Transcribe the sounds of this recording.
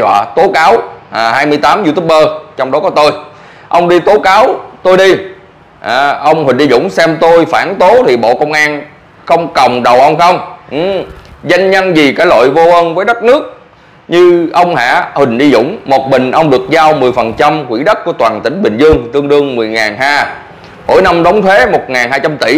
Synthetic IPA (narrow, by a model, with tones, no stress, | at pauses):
a̰ː˧˨˩t̪o˨˦kaː˨˦waː˨˩haː˧jmɨ˧jt̪aː˨˦mzu˧t̪ʰu˦˥p̚əː˧t͡ɕɔ˧wŋ͡mɗɔ˨˦kɔ˨˦t̪o˧j | ʔə˧wŋ͡mɗi˧t̪o˨˦kaː˨˦wt̪o˧jɗi˧ | ʔaː˨˩ʔə˧wŋ͡mhï˨˩ŋ̟ɗi˧zʊ̰˧˥ŋ͡msɛ˧mt̪o˧jfaː˧˩nt̪o˨˦t̪ʰi˨˩ɓo̰˧˨kə˧wŋ͡mʔaː˧n | xə˧wŋ͡mkə˨˩wŋ͡mɗə˨˩wʔə˧wŋ͡mxə˧wŋ͡mʔza˧jŋ̟ɲə˧nzi˨˩kaː˨˥jlo̰˧˨jvo˧ʔəː˧nvəː˨˦jɗə˦˥t̚nɨ˦˥ək̚ | ɲɨ˧ʔə˧wŋ͡mha̰ː˧˨hï˨˩ŋ̟ɗi˧zʊ̰˧˥wŋ͡mmo˨˩t̚ɓï˨˩ŋ̟ʔə˧wŋ͡mɗɨ˨˩ək̚zaː˧wmɨ˨˩əjfə˨˩nt͡ɕa˧mkwḭ˧˥ɗə˦˥t̚ku˧˩ət̪waː˨˩nt̪ï˧˩ŋ̟ɓï˨˩ŋ̟zɨ˧əŋt̪ɨ˧əŋɗɨ˧əŋmɨ˨˩əjŋaː˨˩nɦaː˧ | mo̰˧˥˦jna˧mɗɔ˨˦wŋ͡mt̪ʰwe˨˦mo˨˩t̚ŋaː˨˩nhaː˧jt͡ɕa˧mt̪i˧˩˦